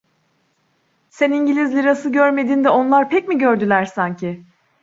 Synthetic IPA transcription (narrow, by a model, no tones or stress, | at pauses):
seniɲɟilʲizlʲiɾasɯɟøɾme̞d̪iːnd̪ɛo̞nlˠaɾpʰɛc̚miɟø̞ɾd̪ylʲæɾsaɲcʰɪ